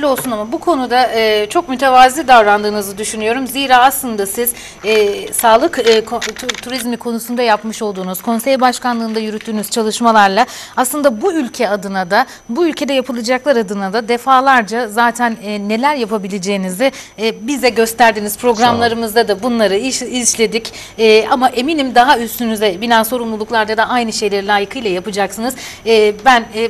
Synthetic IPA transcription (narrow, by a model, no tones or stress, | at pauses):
lʲo̞lˠsunamabukʰo̞nud̪aɯːt͡ʃʰo̞kmyt̪ʰe̞vaːziːd̪avɾand̪ɯːnɯzɯd̪yʃynyjo̞ɾumziːɾaːaslˠɯnd̪asiz | ɛːsaːlˠɯkːk̪ʰt̪ʰuɾizmikʰo̞nusund̪ajapmɯʃo̞lˠd̪uːnuz̥kʰo̞nsejbaʃkanlˠɯːnd̪ajyɾyt̪ʰːyːnyz̥t͡ʃʰalˠɯʃmalˠaɾlˠaaslˠɯnd̪abuylʲcʰɛad̪ɯnad̪a | buylʲcʰe̞d̪ɛjapʰɯlˠɯd͡ʒaklˠaɾad̪ɯnad̪ad̪e̞faːlˠaɾd͡ʒazaːt̪ʰænɛːe̞lʲæɾjapʰabilʲed͡ʒe̞ːinizɪbizd̪ɛɟø̞st̪æɾd̪iniz̥pʰɾo̞ɡɾammlˠaɾɯmɯzd̪ad̪abunlˠaɾɯiizʃlʲe̞d̪ic | ɛːamaʔe̞minimd̪aɦayst̪ʰynyzɛbinʲænso̞ɾumlˠulˠuklˠaɾd̪ad̪aʔajnɯʃe̞jlʲeilʲˠaːjɯkʰɯjlʲˠajapɯd͡ʒaksɯnɯzːbænː